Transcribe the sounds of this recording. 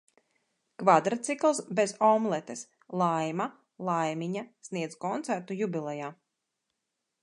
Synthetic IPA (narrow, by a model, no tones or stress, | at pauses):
kvad̪ɾat̪sʲiklˠsbezɔmlˠɛt̪es | lˠajma | lˠajmʲiɲasniɛd̪zkɔnt̪sæɾt̪ujubʲilˠɛjaː